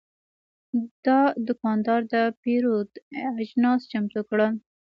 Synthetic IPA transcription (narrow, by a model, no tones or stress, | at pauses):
d̪̥ɑd̪ʊkɑnd̪ɑɾd̪əpeɾod̪aʒnɑst͡ʃamt̪ukɽə